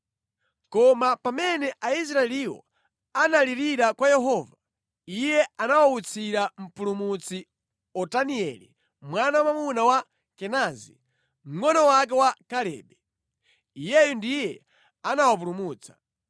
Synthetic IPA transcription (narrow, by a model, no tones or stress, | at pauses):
kɔmapamɛnɛʔais̬ɾaɛliwɔ̰ | analiɾiɾakwajɛɦɔːva | ijɛanawaut͡sʰiɾam̩pulumut͡si | ɔtaniɛlḭ | mwanamamunawa | kɛnazḭ | m̩ŋɔnɔwak̬ɛwakalɛ̰ːɓɛ | ijɛjundijɛ | anawap̬ulumuːt͡sḁ